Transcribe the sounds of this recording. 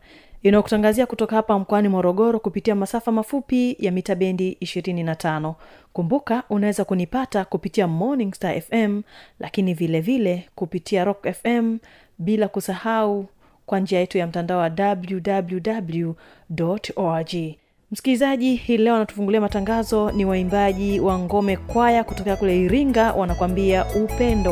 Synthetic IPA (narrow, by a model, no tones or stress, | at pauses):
inaɔku̥taŋɡaziakutɔkahapam̩kɔanimɔɾɔɠɔɾɔkupitiamasafamafupijamitaɓɛndiʔiʃiɾininatʰanɔkumbukaʔunawɛzakunipatakupitiamɔniŋɡstaʔɛfɛmlʔa̰kinivilɛvilɛkupitʰiaɾɔkɛfɛm | ɓilakusahau | kwaɲd͡ʒiajɛtujam̩tandaɔwaɗabljudabljudablju | dɔtɔad͡ʒi | m̩skilizaʄihilɛɔnatu̥fuŋɡuliamataŋɡazɔniwaimbaʄiwaŋɡɔmɛkwajakutɔkɛakulɛiɾiŋɡawʔanakwambiaʔupɛndɔ